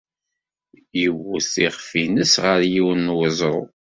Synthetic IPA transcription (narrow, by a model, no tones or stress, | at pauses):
jəwːəsiʁfinəsʁəɾjiwənːwəzˤɾˤo